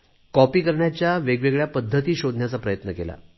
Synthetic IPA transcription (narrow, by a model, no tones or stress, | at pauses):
kɔpiːkəɾɳjat͡ɕjaʋeɡʋeɡɭjapəd̪ʱːət̪iːɕod̪ʱnjat͡sapɾəjət̪nəkela̰